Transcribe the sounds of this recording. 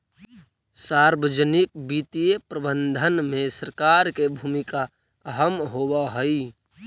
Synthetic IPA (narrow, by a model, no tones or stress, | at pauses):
saːɾbəd͡ʒənɪk̚bit̪ijepɾəbənd̪ʱənmẽsəɾkaːɾkebʱuːmika | əɦəmɦobaɦəi